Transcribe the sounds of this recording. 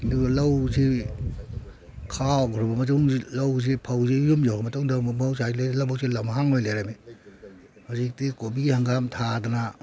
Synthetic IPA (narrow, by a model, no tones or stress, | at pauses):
ndulawzi | kʰawɡɔɾɔbamɐtuŋlawzipʰawzijumd͡ʒawkʰamɐtɔŋdamawsalelawbawsilamɦaŋojleɾami | hazik̚tikobihaŋɡamtʰadana